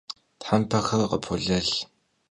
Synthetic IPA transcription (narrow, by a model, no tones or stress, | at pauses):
tħampʰɐxɐrqə̰pʰʊɮɐɮ